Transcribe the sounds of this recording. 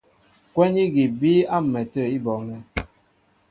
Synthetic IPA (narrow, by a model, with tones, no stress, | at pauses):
kwɛ˦ni˦ɡi˨bi˦a˦m˨mɛ˨tə˦˨i˦bɔ˨ŋɛ˦